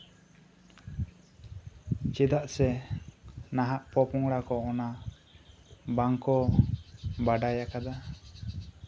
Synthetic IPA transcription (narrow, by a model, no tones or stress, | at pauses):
t͡ʃɛd̪aʔsɛ | naɦaʔpɔpɔŋɽakɔɔna | baŋkɔ | baɖajakad̪a